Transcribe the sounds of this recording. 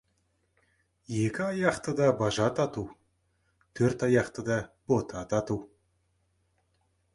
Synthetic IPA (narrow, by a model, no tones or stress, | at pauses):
je̞kʲɪɑjɑqt̪əd̪ɑbɑʒɑt̪ɑt̪uw | t̪ʰɵɾt̪ɑjɑqt̪əd̪ɑb̥o̞t̪ʰɑt̪ɑt̪uw